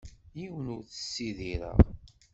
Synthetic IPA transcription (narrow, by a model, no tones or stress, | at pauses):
jiwənʊɾθə̥sːiðiɾə̰ʁ